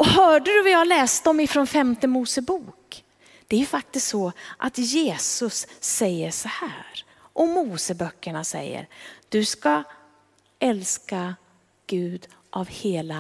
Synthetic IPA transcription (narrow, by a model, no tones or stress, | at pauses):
ɔhœːɖɵd̪ɵvɪjɑhalɛːst̪ɔmɪfɾonfɛmt̪əmuːsəbuːk | d̪̥ɛæɾjɵfak̚t̪ɪst̪sɔʔa̰t̪jeːsɵsːɛjːəʂɔhæːɾ | ʔɔmuːsəbœkːəɳasɛ̰jːə̰ɾd̪̥ɵska | ʔɛlska | ɡ̥ʉ̟ːd̪ | ʔavheːla